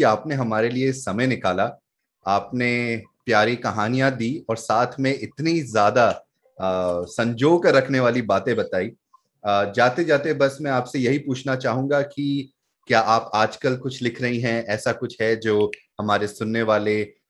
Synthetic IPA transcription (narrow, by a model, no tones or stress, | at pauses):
iaːpneɦɐmaːɾeliesɐməjnɪkaːla | aːpnepjaːɾikɐɦaːnijãd̪iːɔːɾsaːt̪ʰmẽʔɪt̪nizjaːd̪a | sɐ̃ɲd͡ʒoːɡkɐɾɐkʰneʋaːlibaːt̪ẽbɐt̪aːiː | d͡ʒaːt̪ed͡ʒaːt̪eɛbɐsmɛ̃aːpsejɐɦipuːt͡ʃʰnat͡ʃaːɦũːŋɡaki | kjaːʔaːpaːd͡ʒkəlkʊt͡ʃʰlɪkʰɾɐɦiɦɛ̃ɛːsakʊt͡ʃʰɦɛd͡ʒoː | hɐmaːɾesʊnːeʋaːle